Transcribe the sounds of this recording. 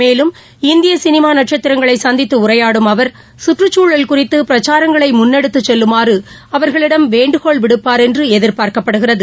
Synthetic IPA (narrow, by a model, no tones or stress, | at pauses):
meːlɯm | ɪnd̪ɪjɐsɪnɪmaːnɐʈ̚t͡ʃɐt̪ːɪɾɐŋɡɐɭɐɪsɐnd̪ɪt̪ːɯʊrɐjaːɽɯmɐʋɐɾ | sʊʈrɯt͡ʃːuːɭɐlkʊrɪt̪ːɯpɪɾɐt͡ʃːaːɾɐŋɡɐɭɐɪmʊnːɛɽɯt̪ːɯt͡ʃːɛlːɯmaːrɯ | ɐʋɐɾɣɐɭɪɽɐmʋeːɳɖɯɣoɭʋɪɽɯpːaːɾɛndrɯɛðɪɾpaːɾkɐpːɐɽɯɣɪrɐðɯ